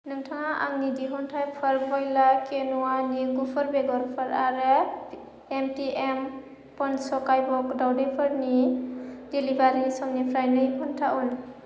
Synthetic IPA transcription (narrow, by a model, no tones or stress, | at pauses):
nɯŋtʰaŋaʔa̰ŋnidiɦɔntʰajpʰaɾbɔjlakenuwaniɡupʰɔɾbeɡɔɾpʰɯɾaɾɯ | emtiem | pɔnsɔkajbɔkdawdajpʰɯɾni | dilibaɾisɔŋnipʰɾajnɯipʰɔntʰaʔɔn